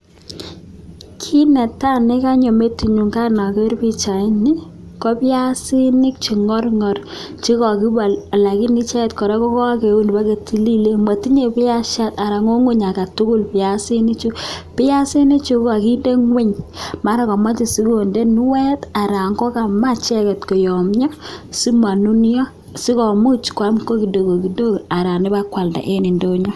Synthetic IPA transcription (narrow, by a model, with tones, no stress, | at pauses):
kʰi˦nɛ˨ta˦ne˦ka˦ɲo˨me˦ti˨ɲu˨ŋka˦na˨ke˦ɾpi˦t͡ʃa˨ɪ˦ni˦ | kɔ˦pɪ˦ja˦si˦nɪ˦k̚t͡ʃi˨ŋɔ˦rŋɔ˨rt͡ʃi˦kɔ˨ki˦ba˨a˨la˨ki˦nɪ˦t͡ʃa˦tkɔ˨ɾe˦kɔ˦kɔ˦a˦ke˨u˦n˨pa˦ke˨tʰi˦li˦le˦mwa˨ti˦ɲe˨pɪ˦ja˦ʃa˦ta˨ɾa˨ŋo˦ŋʊ˦ɲa˨ka˨tʊ˦kʊ˦lpɪ˨ja˨si˦ni˦t͡ʃu˦pɪ˦ja˦si˦ne˦t͡ʃu˦ka˨ki˦nde˦ŋwɪ˦ɲma˨˦ɾa˦kɔ˨ma˦t͡ʃi˨si˦ko˨nde˦n˦wɛ˦ta˨ɾa˨ŋɡɔ˦ka˨ma˦t͡ʃɛ˦kɛ˨tko˨jɔ˨mɲɔ˦si˦ma˨nu˦njɔ˦ | si˦kɔ˨mu˦t͡ʃkwa˦mko˦ki˨do˨ko˨ki˨do˦ka˨ɾa˨ni˦ba˦kwa˨lda̰˨ʔe˦ni˨ndo˦ɲɔ˦